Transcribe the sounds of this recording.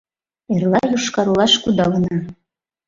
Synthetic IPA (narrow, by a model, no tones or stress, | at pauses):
erlɑjuʃkɑɾulˠɑʃkud̪ɑlɤnɑ